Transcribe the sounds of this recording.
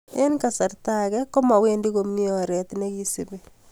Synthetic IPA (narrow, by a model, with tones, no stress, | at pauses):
e˦nka˨sa˨rtakɛko˦ma˨we˦ndi˦ko˨mi˦ɔɾɛ˨tne˦ki˦sibe